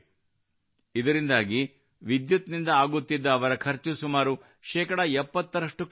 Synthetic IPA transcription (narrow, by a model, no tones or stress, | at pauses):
id̪ɐɾind̪aːɡi | ʋid̪jut̪nind̪ɐaːɡut̪ːid̪ːɐːʋɐɾɐkʰɐɾt͡ʃusumaːɾu | ʃɛːkɐɽɐɛpːɐt̪ːɐɾɐʂʈuk